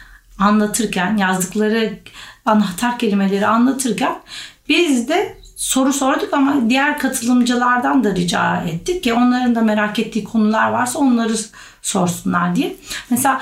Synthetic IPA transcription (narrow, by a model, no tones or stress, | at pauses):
anlˠat̪ʰɯɾcʰænjazd̪ɯklˠaɾɯanɦat̪ʰaɾcʰe̞lʲime̞lʲe̞ɾianlˠat̪ʰɯɾcʰænbizd̪ɛso̞ɾuso̞ɾd̪ukamad̪ijæɾkʰat̪ʰɯlˠɯmd͡ʒɯlˠaɾd̪and̪aɾid͡ʒa̰ːɛt̪ʰːiccɛo̞nlˠaɾɯnd̪ame̞ɾacɛt̪ʰːiːkʰo̞nulˠaɾvaɾsao̞nlˠaɾɯ | so̞ɾsunlˠaɾd̪ijɛmɛselʲaː